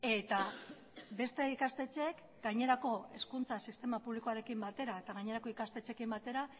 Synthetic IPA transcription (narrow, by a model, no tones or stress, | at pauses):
e̞t̪a | be̞st̪e̞ikast̪e̞t͡ʃe̞k | ɡajɲe̞ɾako̞e̞skunt͡sasist̪e̞mapuβliko̞aɾe̞kimbat̪e̞ɾae̞t̪aɣaɲe̞ɾako̞ikast̪e̞t͡ʃe̞kimbat̪e̞ɾa